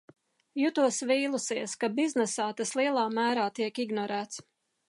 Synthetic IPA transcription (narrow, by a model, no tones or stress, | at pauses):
jut̪uɔsviːlˠusiɛskabiznɛsaːt̪aslˠiɛlˠɑːmæːɾaːt̪iɛkiɡnɔɾæːt̪s